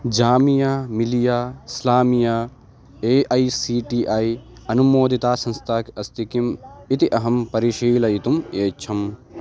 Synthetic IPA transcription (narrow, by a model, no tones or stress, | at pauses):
d͡ʒaːmijaːmilijaːslaːmijaː | eːʔɐjsiːʈiːʔaːjɐnumoːd̪it̪aːsɐ̃nst̪ʰaːkɐst̪ikimit̪iʔɐɦɐmpɐɾiʃiːlɐit̪umeːt͡ʃʰɐm